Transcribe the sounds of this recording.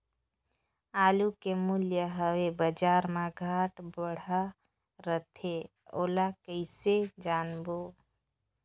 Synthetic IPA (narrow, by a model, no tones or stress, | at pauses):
aːlukemʊljəɦəwebəd͡ʒaːɾmãɡʱaːʈbəɽ̤a | ɾət̪ʰe | oːlakəɪsed͡ʒaːnboː